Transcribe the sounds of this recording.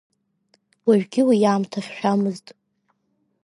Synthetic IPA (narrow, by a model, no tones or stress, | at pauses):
waɥᶣɡʲɪwijaːmtʰaχʲʃᶣamɨztʼ